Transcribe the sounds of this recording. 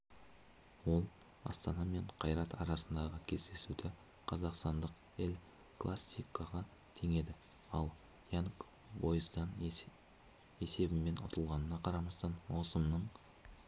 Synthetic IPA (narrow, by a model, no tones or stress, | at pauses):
wo̞lˠ | ɑ̰st̪ɑnɑme̞ɴqʰɑjɾɑt̪ʰɑɾɑsənd̪ɑʁəkʲʰe̞zd̪e̞sud̪ɪ | qʰɑzɑqst̪ɑnd̪əq | ɪlʲ | klˠasʲijkːaʁɑ | t̪ʰe̞ŋe̞d̪ɪ | ɑlˠ | jank | bo̞jəzd̪ɑn | e̞se̞bɪmːe̞nʊ̰t̪ʰəlˠʁɑnənɑqʰɑɾɑmɑst̪ɑnwosəmnəɴ